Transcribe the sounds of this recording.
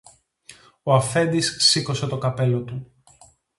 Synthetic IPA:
oɐfe̞nd̪isːiko̞se̞t̪o̞kɐpe̞lo̞t̪u

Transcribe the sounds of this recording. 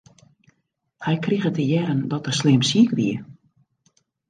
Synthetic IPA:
hɛjkriɣətəjɛɾəndɔtəslɪmsiəkʋiə

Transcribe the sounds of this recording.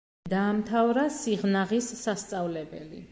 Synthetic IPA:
d̪aːmt̪ʰavɾasiʁnaʁisːast̪sʼavlɛbɛ̰lḭ

